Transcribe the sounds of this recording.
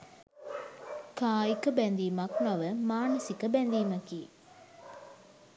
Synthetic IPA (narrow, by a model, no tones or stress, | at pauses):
kaːikəbɛnd̪iːmɐknaʋəmaːnəsikəbɛnd̪iːmɐkiː